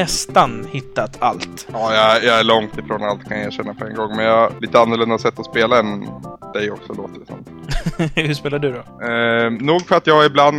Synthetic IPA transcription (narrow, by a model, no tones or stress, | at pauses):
ɛst̪anhɪt̪ːat̪ʰa̰lt̪ɑːjɑjɑæɭɔŋt̪ɪfɾoːnalt̪kʰanjeːɕɛnːapʰɔɛnɡɔŋːmɛnjɑliːt̪əanːɔlɵnd̪asɛt̪ːɔspeːlaɛnd̪̥ɛjɔksɔloːt̪əsɔ̰m | hʉʂpeːlaɖɵd̪ɔ | nuːɡfœɾat̪jɑːhaɾɪbland̪